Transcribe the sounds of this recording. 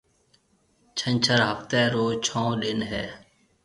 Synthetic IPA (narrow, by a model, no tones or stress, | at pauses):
t͡ʃʰəɲt͡ʃʰəɾɦəft̪ɛːɾoːt͡ʃʰõːɗɪnɦɛː